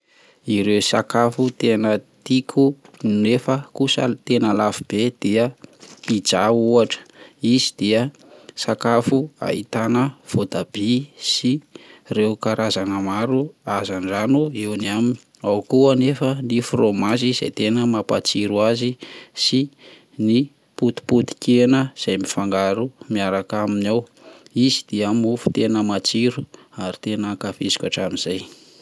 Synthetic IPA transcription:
iɾeusakafut̪enət̪ikʰunefəkusə̰t̪enəlafib̥ed̪̥eəid͡zauaʈ͡ʂə̥izid̪̥eə | sakafua̰ḭt̪anəv̥od̪ab̥isirewkaɾʔazanəmaɾuazanɖ͡ʐanuewnamini | awkuanefənifromaziz̥a̰jt̪enəmapat͡siɾuazisi | ni | put̪i̥put̪i̥kʲenəz̥ajmifaŋɡaɾumiaɾakaminaw | izid̪̥iamufu̥t̪enəmat͡siɾu | aɾit̪enəkafesi̥kʲa̰ʈ͡ʂamiz̥aj

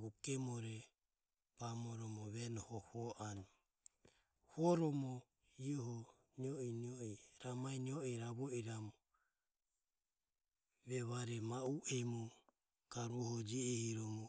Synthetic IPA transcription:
βukɛmɔɾɛ | pamɔɾɔmɔβɛnɔhɔhɔʔanɔ | hɔɾɔmɔ | iɔɦɔ | niɔiniɔɛɾamainiɔɛɾaβɔiɾamɔ | βɛβaɾɛmauʔɛmu | kaɾuɔɦɔd͡ʒiɛhiɾɔmɔ

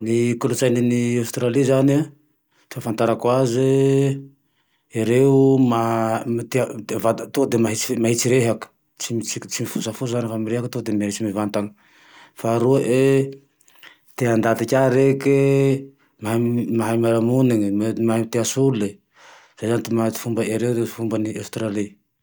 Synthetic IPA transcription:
nikulut͡sajniniawst̪ɾalizani | t̪eafant̪aɾakwaze | iɾeumamit̪evat̪od̪emaɦit͡si̥maɦit͡siɾeɦaku̥ | t͡simit͡sit͡simifusafuzanifamiɾeɦakut̪od̪emɦit͡simivant̪aŋə̥ | faɾuaʔe | t̪eand̪at̪ikʲaɾeke | mamaɦajmaɾamuniŋmmɦamit̪easulule | z̥ejzanit̪imat͡si̥fumbəʔeɾewd̪eifumbəniewst̪ɾali

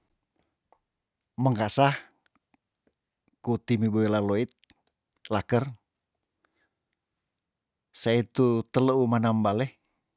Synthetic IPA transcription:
məŋkasah | kut̪imiboilaloit̪̚ | lakər | sait̪ut̪ələumanambale

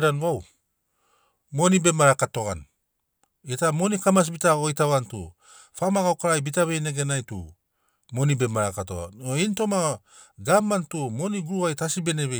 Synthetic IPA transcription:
ɾanwaw | mo̞nibe̞maɾakato̞ɡa̰n | itamo̞nikamas̬bitaojtaβantṵ | famaɡawkaɾajbitaβe̞jne̞ɡenajtṵ | mo̞nibe̞maɾakato̰ɡa̰nointo̞ma | ɡamːantumo̞niɡuɾuajtasibe̞neβe

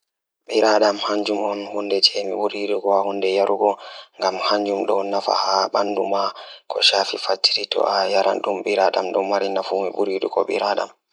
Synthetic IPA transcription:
ɓiɾaɗamhaɲd͡ʒumɔnhundɛt͡ʃɛmḭɓuɾiɗukɔahundɛjaɾʔuɡɔŋɡamhaɲd͡ʒumɗɔnafa̰haɓandumakʰɔ̰ʃaːfifatːi̥ɾitɔ̰ajaɾa̰nɗumɓiɾaɗa̰mɗɔmaɾinafuːmiɓuɾiɗukɔɓḭɾaɗa̰m

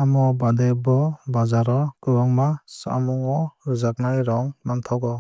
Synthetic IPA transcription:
amɔbadebɔbazaɾɔkɯbaŋmasa̰muŋɔɾɯzak̚najɾɔŋnant̪ʰɔɡɔ

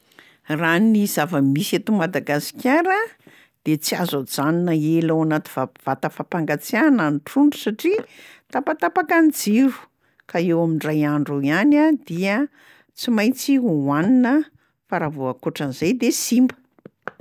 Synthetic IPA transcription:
raniz̥avəmisat̪umad̪aɡasi̥kʲaɾə | d̪̥et͡sia̰zod͡zaninəelawanat̪i̥vav̥at̪əfapaŋɡat͡siananiʈ͡ʂuɳɖ͡ʐusaʈ͡ʂit̪apat̪apakanid͡ziɾu̥ | kaewamiɳɖ͡ʐajaɳɖ͡ʐuianad̪iə | t͡simajt͡siuwaninə | faɾavuakoʈ͡ʂanizajd̪esimbə̥

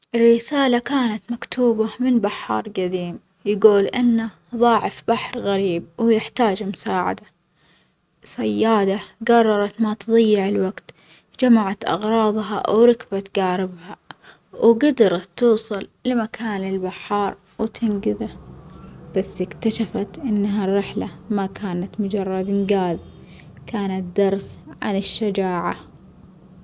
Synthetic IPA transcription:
ʔɪrːɪsaːlakaːnat̪makt̪ʰuːbamɪnbaħːɑ̰ːɾˤɡad̪iːm | jɪɡuːlʔɪnːa | ðˤɑːʕɪfbaħɾɣaɾiːb̚wjɪħt̪aːd͡ʒmʊsaːʕa̰d̪a | sajːɑːd̪aɡɑrˤːɑɾˤɑt̪mat̪ɨðˤɑjːɪʕɪlwaɡt̪ | d͡ʒamaʕat̪ʔɑ̰ɣɾˤɑːðˤɦɑ̰wɾɪkbat̪ɡaːɾɪbha | wɡad̪ɑɾˤɑt̪ːuːsˤɑllɪmakʰaːnɪlbaħɑːɾˤ | wɪt̪ʰɪnɡɪða | b̥asːɪkt̪aʃafat̪ʔɪnːɦarːɪħlamakʰaːnat̪mʊd͡ʒɑrˤːɑd̪ɪnɡaːð | kaːnat̪̚d̪ɑɾˤsʕa̰nɪʃːad͡ʒaːʕa

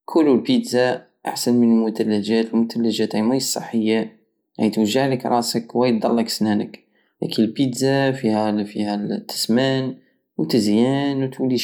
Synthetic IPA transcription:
kʰʊlːulpid̪za | ʔa̰ħsənmənlmʊt̪ælːæʒæt̪lmʊt̪ælːəʒæt̪ʕamæjsˤːə̰ħːəjːa | ʕæjt̪wəʒːaʕləkɾˤɑ̰ʔsəkwæjt̪̚d̪ˤɑlːəksnænək | læ̰kənlpit̪zafihæfihæt̪ːə̥smæn | wt̪əzjænwt̪wli

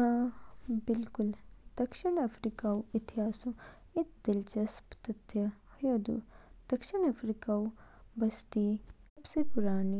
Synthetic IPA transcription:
bɪlkʊld̪̥ɐkʃiɳɐfʰɾiːkaːuɪt̪ɪɦaːsũ | ɪt̪̚d̪ɪlt͡ʃɐspt̪ɐt̪ʰjɐhɐjoːd̪ṵd̪̥ɐkʃinɐfɾikaːubɐst̪iːsɐbsepʊɾaːni

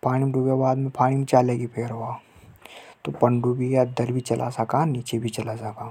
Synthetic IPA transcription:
paːɽ̃imɖʱubjabaːd̪mẽpʰaːɽ̃imẽt͡ʃaːleːɡipʰeːɾɦoaː | t̪opɐ̃ɳɖubʱijad̪ɐɾbʱit͡ʃɐlʔa̰sakaniːt͡ʃebʱit͡ʃɐlasakaː

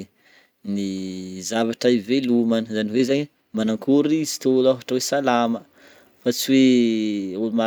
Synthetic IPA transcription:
nizavaʈ͡ʂəivelumanəzaniwezaɲi | manaŋkuɾiizi̥t̪olaɦaʈ͡ʂəwesalamə | fat͡siwe | uluma

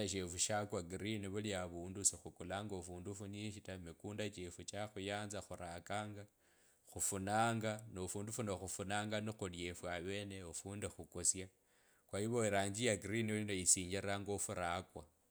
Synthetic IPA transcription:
aʃ̬efuʃakwaɡɾiniβuliaβuːndusixukulaŋɡofuːndufuniʃitamikuːndat͡ʃefut͡ʃaxujaːnzaxuɾakaːŋɡa | xufunaːŋɡanofuːndufunoxufunaːŋɡanixulje̞fwaβe̞ːneofuːndexukosja | kwajiβoiɾaːɲd͡ʒijaɡɾiniolinojisiːɲd͡ʒiɾaŋɡo̞fuɾakwa

